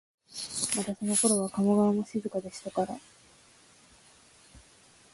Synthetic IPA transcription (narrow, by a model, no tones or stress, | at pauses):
mat̪aso̞no̞ko̞ɾo̞βakamoɡaβamo̞ɕizɨkad̪e̞ɕi̥t̪akaɾa